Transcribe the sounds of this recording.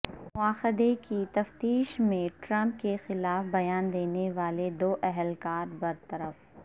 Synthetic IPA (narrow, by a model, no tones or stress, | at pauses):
mʊaːxɪd̪ekit̪ɐft̪iːʃmẽʈɾɐ̃mp̚kexɪlaːfbɐjaːnd̪eːneʋaːled̪oːʔɛɦɛlkaːɾbɐɾt̪ɐɾəf